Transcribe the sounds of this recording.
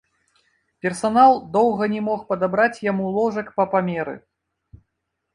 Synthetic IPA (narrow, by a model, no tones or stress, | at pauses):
pʲɛrsanalˠd̪ɔwɣɐnʲɛmɔxpɐd̪abɾat͡sʲjamulˠɔʐɐkpɐpamʲeɾɨ̰